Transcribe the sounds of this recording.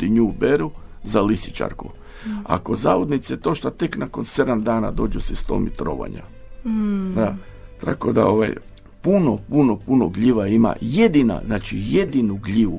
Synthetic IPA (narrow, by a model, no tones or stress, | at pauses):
iɲubeɾuzalisi̥t͡ʃa̰ɾku | a̰ko̞zaːʋod̪nit̪set̪o̞ʃt̪at̪eknakonse̞d̪amd̪aːna̰d̪o̞ːd͡ʒusest̪o̞̰mit̪ɾo̰ʋa̰ɲa̰ | d̪a | t̪a̰ko̞d̪a̰o̞ʋa̰j | punopunopunoɡʎiʋaima̰je̞d̪ina̰znaːt͡ʃijed̪inuɡʎiʋu